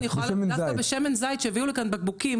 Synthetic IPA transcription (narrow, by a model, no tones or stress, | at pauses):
ijexoaemenaaabeʃemenzajt̪ʃeaviulekanbaɡ̚bukim